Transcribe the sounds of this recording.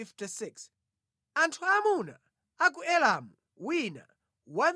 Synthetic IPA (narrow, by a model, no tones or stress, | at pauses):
iftisiks | antʰuamuna̰ | ak̬uɛlamu | wina̰ | wan